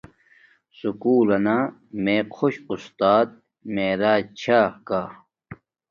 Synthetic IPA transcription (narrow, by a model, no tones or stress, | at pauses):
sukuːlɐnameːqʰoɕust̪aːd̪̚ | meːɾaːt͡ɕʰaːkaː